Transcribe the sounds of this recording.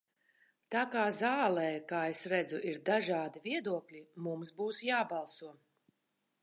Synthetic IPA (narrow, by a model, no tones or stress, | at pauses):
t̪aːkaːzaːlˠɛːkaːesɾæd̪zuʔiɾd̪aʒaːd̪iviɛd̪uɔklʲimumsbuːsjaːbɑlˠsuɔ